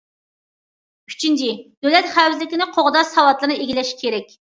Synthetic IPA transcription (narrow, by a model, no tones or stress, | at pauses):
y̥t͡ʃʰynt͡ʃid̪̥øwlɛt̪χæwzlɪkʲɪnɪqʰoʁd̪ɑsɑwɑt̪lˠɨɾnɨeɡʲilɛʃkʲʰeɾɛkʲ